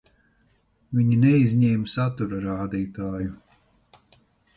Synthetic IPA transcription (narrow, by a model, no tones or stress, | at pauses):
viɲinɛizʲɲɛːmsat̪uɾaɾaːd̪iːt̪aːju